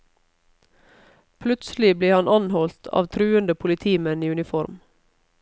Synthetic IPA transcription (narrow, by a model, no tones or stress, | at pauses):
pʰlʉt̪sl̩ɪbliːhɑnʔɑnhɔlt̪ʰɑ̰ːʋt̪ʰɾʉːənd̪əpʰʊlɪt̪ʰiːmɛniːʉnɪfɔɾm